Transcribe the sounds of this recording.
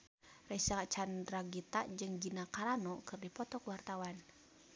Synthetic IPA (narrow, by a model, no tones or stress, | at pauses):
rɛsaat͡ʃandraɡit̪aʔd͡ʒɨŋd͡ʒinakaɾanɔkɨrdipɔt̪ɔkwart̪awan